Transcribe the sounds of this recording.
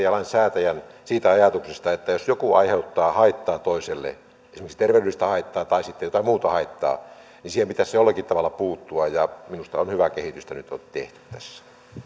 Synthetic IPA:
ɑlɑinsæːt̪æjænsiːt̪æɑjɑt̪uksest̪ɑet̪ːæjosjokuɑiheut̪ːɑːhɑit̪ːɑːt̪oiselːḛ | esimeksi̥t̪erʋedyˑist̪æhɑˑit̪ːɑːt̪ɑisit̪ːejot̪ɑmuːt̪ɑhɑit̪ːɑ̰ː | nisiːhempit̪æsejolːɑkit̪t̪ɑʋɑlːɑpuːt̪ːuɑjɑminust̪ɑonhyʋækehit̪yst̪ænyt̪o̰nt̪ḛht̪y̥tt̪æsːæ̥

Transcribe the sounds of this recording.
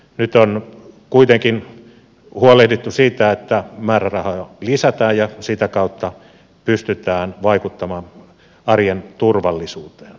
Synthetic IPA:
nyt̪onkuit̪eŋkin | huolehdet̪ːusiːt̪æet̪ːæmæːrærɑhɑlisæt̪æːjjɑsit̪ækɑut̪ːɑ | pyst̪yt̪æːnʋɑikut̪ːɑmɑːn | ɑrjent̪urʋɑlːisuːt̪e̥ːn

